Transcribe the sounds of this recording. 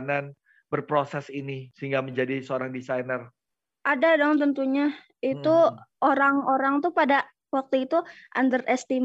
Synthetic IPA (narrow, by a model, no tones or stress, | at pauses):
nan | bərpɾosɛsinisəɦiŋɡaməɲd͡ʒadisəoɾaŋdisajnər | ʔadadɔŋt̪ənt̪uɲa | it̪uʔoɾaŋoɾaŋt̪upada | wak̚t̪uit̪uʔa̰ndərʔɛst̪im